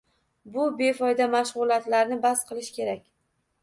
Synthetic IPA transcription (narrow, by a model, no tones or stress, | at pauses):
bʊbe̞fɒjd̪amaʃʁʊlˠat̪laɾnɪbasqʰɨlˠɪʃkʲʰe̞ɾakʲ